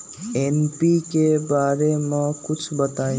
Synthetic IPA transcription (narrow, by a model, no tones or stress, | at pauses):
eːnpikebaːɾemɛ̃kʊt͡ʃʰbət̪aːĩ